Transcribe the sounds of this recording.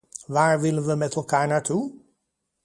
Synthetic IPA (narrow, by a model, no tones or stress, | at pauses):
ʋaːɹʋɪlənʋəmɛtɛlˠkaːɹnaːɹtʰu